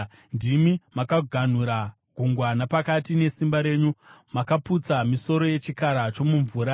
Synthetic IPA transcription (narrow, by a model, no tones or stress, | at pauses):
ndimimakaɡʱan̤uɾa | ɡʱuŋɡwanapakatine̞simbaɾe̞ːɲumakaput͡samiso̞ɾo̞je̞t͡ʃikaɾat͡ʃo̞muɱvuːɾa